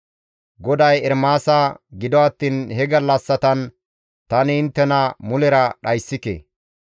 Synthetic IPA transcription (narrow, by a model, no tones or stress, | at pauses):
ɡɔd̪ɐjɛɾmaːsaɡɪd̪ɔɐt̪ːiːnhɛɡɐlːɐsːɐt̪ɐn | t̪ɐnɪɪnt̪ːɛnɐmʊlɛɾɐɗɐjsːɪkḛː